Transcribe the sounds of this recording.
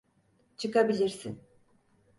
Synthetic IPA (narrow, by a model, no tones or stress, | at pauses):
t͡ʃʰɯkabilʲiɾsḭn